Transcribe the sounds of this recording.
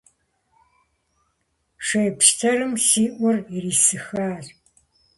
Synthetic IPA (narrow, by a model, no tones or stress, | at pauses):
ʂeːpʃtʰɐrɨmsiːʔʷʊririːsɨxaːr